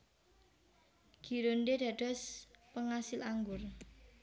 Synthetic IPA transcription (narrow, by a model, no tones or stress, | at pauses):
ɡ̥iɾondeɖ̥ä̤ɖ̥ɔ̤spəŋasɪlaŋɡʊr